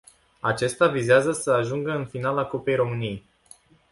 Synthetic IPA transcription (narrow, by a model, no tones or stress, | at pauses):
at͡ʃe̞st̪avizeazəsəaʒuŋɡəɨnfinalakope̞jɾo̞mɨniej